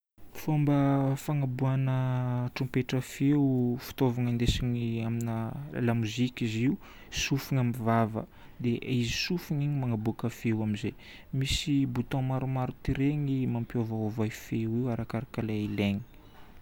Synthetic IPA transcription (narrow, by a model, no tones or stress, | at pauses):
fombəfaŋabuanəʈ͡ʂumpeʈ͡ʂəfewufi̥t̪ovaŋand̪esiɲiamina̰lamuzikiziu | sufiŋamivavə̰ | d̪eʔizisufiɲiɲimaŋabukəfewaminze | misibut̪õmaɾumaɾut̪iɾeŋimampiovaovajfewiwaɾakaɾakalaileɲi̥